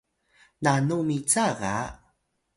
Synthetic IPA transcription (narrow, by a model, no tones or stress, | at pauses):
nanumit͡saʁa̰